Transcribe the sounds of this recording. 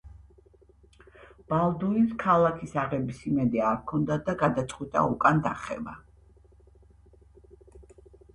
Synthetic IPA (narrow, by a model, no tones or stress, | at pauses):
b̥alˠd̪uiskʰalˠakʰisaʁɛbisimɛd̪ɛaɾkʰɔnd̪ad̪aɡad̪at̪sʼqʼwit̪ʼa̰ukʼand̪aχɛ̰ba̰